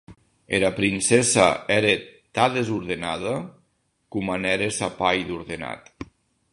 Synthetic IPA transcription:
eɾapɾinsesaɛɾet̪aðezuɾðenaða | kumanɛɾesapajðuɾðena̰t̪

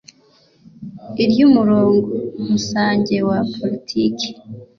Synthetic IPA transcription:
iɾjumuɾoːŋɡoumusaːɲɟe̞wapʰolitʰiːkʰe̥

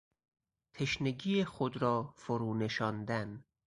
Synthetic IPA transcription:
t̪ʰeʃneɡiːjexod̪ɾɒːfoɾuːne̞ʃɒːnd̪æn

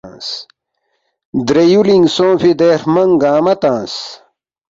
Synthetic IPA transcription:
s | d̪ɾejuliŋsõːfid̪eːɾmɐŋɡaːmɐt̪ãːs

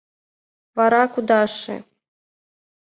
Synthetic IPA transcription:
vɑɾɑkud̪ɑʂɨ̰

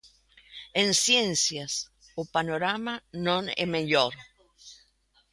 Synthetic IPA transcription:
ẽnsjẽnsjas | opanoɾamanõnɛ̰meʎoɾ

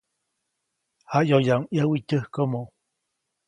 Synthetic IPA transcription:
hajojaŋʔjəwitəhkomo

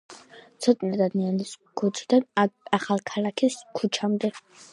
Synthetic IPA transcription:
t̪sʰɔt̪ʼnad̪ad̪nianiskʰut͡ʃʰid̪anaχalkʰalakʰiskʰut͡ʃʰamd̪ɛ

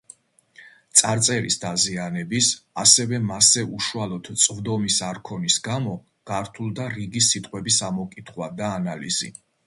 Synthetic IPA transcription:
t̪sʼaɾt̪sʼɛɾḭsd̪azianɛbisasɛvɛmasɛʔuʃualˠɔd̪̥t̪sʼvd̪ɔmisaɾkʰɔnisɡamɔ | ɡ̥aɾt̪ʰulˠd̪aɾiɡisit̪ʼqʼwɛbisamɔkʼit̪ʰχwad̪aːnalḭz̥ḭ

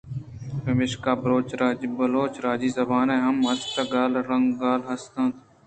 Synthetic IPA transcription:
bəʋɪʃkaːbəɾoːt͡ʃɾaːbəloːt͡ʃɾaːd͡ʒiːzəbaːnẽːɦəməst̪aɡaːlɾəŋɡɡaːlɦəst̪ãːt̪ʰ

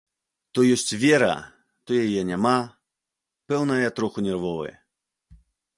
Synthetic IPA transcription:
t̪ɔjɔsʲt͡sʲvʲɛɾɐ̰ | t̪ɔjajɛnʲama | pɛwnɐjɐt̪ɾɔxunʲɛrvɔvɨ̰jɛ̰

